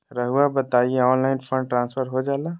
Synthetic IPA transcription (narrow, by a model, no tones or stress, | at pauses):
ɾəɦuabət̪aːieɔːnlaːɪnfʰə̃ɳɖʈɾãːnsfəɾɦod͡ʒaːlaː